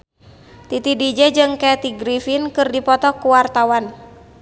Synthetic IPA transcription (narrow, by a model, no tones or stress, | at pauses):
t̪it̪idid͡ʒɛd͡ʒɨŋkɛt̪iɡɾifinkɨrdipɔt̪ɔkuwart̪awan